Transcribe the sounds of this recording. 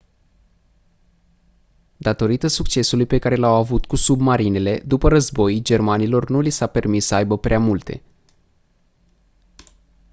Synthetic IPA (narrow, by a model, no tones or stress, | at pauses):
d̪at̪o̞ɾit̪əsukt͡ʃe̞sulujpe̞kaɾe̞lawavut̪kusubmaɾine̞le̞d̪upəɾəzbo̞jd͡ʒe̞rmanilo̞rnulisape̞rmisːəajbəpɾeamult̪e̞̰